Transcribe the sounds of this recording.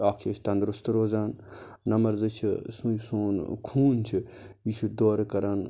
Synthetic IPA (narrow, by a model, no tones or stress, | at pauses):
aːkʰeʃʰt̪ɐnd̪ɾust̪ɾoːzaːnnɐmɐɾzɨt͡ʃʰisũsoːnkʰuːnt͡ʃʰiit͡ʃʰud̪oːɾkɐɾaːn